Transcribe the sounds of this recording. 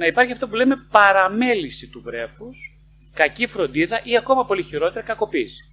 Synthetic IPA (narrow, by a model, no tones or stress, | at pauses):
nɐipɐɾçiɐft̪oɐpule̞me̞pɐɾɐme̞lisit̪uvɾe̞fus | kɐcifɾo̞nd̪iðɐʔiɐko̞mɐpo̞liçiɾo̞t̪e̞ɾɐkɐko̞pis